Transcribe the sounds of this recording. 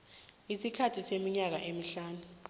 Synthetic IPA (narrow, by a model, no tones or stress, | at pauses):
isikʰatʰisemiɲak̬a̰ʔemiɬaːnu